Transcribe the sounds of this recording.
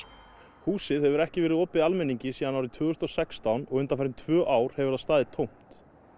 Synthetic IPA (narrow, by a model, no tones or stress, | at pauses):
huːsɪðhɛvʏɾɛhcɪvɛːɾɪðɔːpɪalmɛnːiɲcɪsiːðanawɾɪt̪ʰv̥ʏːɣʏst̪ɔsɛkst̪awnɔɣʏnt̪afɛɾɪnt̪ʰvœːʔaːwɾ̥hɛvʏɾast̪aːðɪt̪ʰowm̥t̪